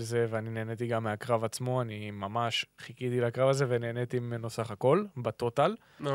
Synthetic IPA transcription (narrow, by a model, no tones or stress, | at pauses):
ze̞veanine̞ːne̞t̪iɡamːeakʁavat͡smo̞animamaʃχikid̪ilakʁavazevene̞ːne̞t̪imenosaχako̞lbat̪o̞t̪al